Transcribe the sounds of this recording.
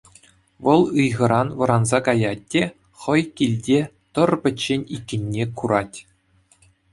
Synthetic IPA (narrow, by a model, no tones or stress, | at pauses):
ʋɤ̆lˠɯjʁɤ̆ɾɑnʋɤ̆ɾɑnzɑkɑjɑt̚ʲːe | χɤ̆jkʲilʲdʲe | t̪ɤ̆rbʲɘ̆t͡ɕːenʲikʲːɘ̆nʲːekuɾɑtʲ